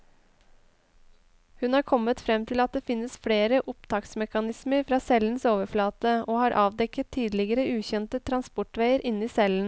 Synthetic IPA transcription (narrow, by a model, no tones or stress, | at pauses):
hʉnhɑːɾkʰɔmːət̪fɾɛmt̪ʰɪlɑt̪̚d̪eːfɪnːəsfɽeːɾəʔʊpt̪ʰɑːksmɛkɑnɪsməɾfɾɑːsɛlːən̩soːʋəɾflɑːt̪əoːhɑːɾʔɑːʋd̪ɛkət̪ʰːiːd̪lɪɡəɾəʉːçɛnt̪ət̪ʰɾɑnspɔʈʋeɪəɾʔɪniːsɛlən̩